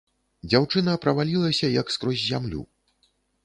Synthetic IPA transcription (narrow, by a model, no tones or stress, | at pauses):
d͡zʲawt͡ʂɨnɐpɾɐvalʲilˠɐsʲɐjɐkskɾɔzʲzʲamlʲṵ